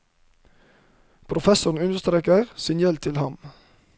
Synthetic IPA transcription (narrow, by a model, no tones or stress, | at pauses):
pʰɾʊfɛsʊn̩ʉnst̪ɾɛkəʁsiːnjɛlt̪ʰɪlhɑm